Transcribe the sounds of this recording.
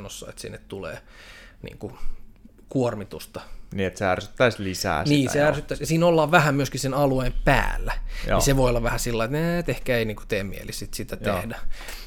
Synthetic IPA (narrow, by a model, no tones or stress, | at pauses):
nosːɑ̰ḛt̪sḭnːet̪t̪ulḛː | nḭːŋku | kuormit̪ust̪ɑniːet̪seærsy̥t̪ːæislisæ̰ːniːsseærsyt̪ːæsjɑsiːnolːɑːʋʋæhæmyøskisenɑlueimpæ̰ːlːæn̰iseʋoiolːɑʋʋæhæsilːɑiet̪neet̪ehkæeiniːŋkut̪eːmmiḛlissit̪sit̪æt̪ehdæ